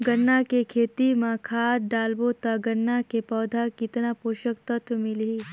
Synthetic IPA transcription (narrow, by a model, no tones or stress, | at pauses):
ɡɐnːakekʰeːt̪imãkʰaːd̪̚ɖaːlbot̪aɡɐnːakepɔːd̪ʱakɪt̪napoːʃəkt̪ɐt̪ʰʋmɪliː